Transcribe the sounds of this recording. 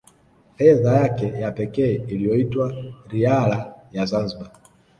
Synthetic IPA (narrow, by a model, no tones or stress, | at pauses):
fɛðajakɛjapɛkɛːilijɔitwaɾialajazanziɓa